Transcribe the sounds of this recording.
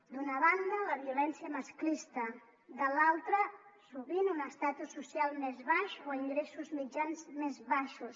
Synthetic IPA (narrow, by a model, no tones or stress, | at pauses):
d̪unəβand̪ələβiulɛnsiəməsklist̪ə | d̪əlalˠt̪ɾəsuβinunəst̪at̪usːusjalˠmezβaʃoiŋɡɾesuzmid͡ʒanzmezβaʃus